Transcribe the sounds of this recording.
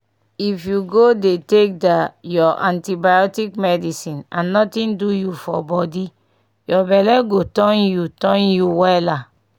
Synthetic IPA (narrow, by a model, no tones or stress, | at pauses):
ifjuɡodetek̚dajɔʔãntibajɔtikmɛdisĩnãnːɔtĩndujufɔ̰bɔdi | jɔbɛlɛɡotɔ̃njutɔ̃njuwɛla